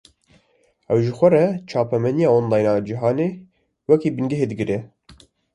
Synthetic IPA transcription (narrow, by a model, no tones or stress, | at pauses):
ɛwʒɨxʷɛrɛt͡ʃʰɑːpɛmɛnijɑːonlɑːjnɑd͡ʒiɦɑːneː | wɛkiːbɨnɡɪɦeːd̪ɨɡɨɾɛ